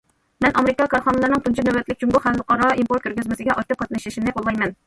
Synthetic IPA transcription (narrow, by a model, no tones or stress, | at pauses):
mɛnʔɑmeɾɪkɑkʰɑɾχɑnɨlˠɨɾnɨŋt̪ʰunt͡ʃʰinɛwɛt̪lɪkʲt͡ʃd͡ʒuŋɡʊχæləqʰɑɾɑimpoɾt̪kʲʰøɾɡʲyzmɪsɪɡʲɛʔɑjt̪ːɨp̚qʰɑt̪nɨʃɪʃimnɪqolˠːɑjmɛn